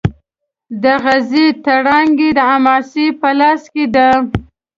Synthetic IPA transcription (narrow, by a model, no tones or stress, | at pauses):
d̪əɣazit̪aɽɑŋɡed̪əamɑsipəlɑsked̪a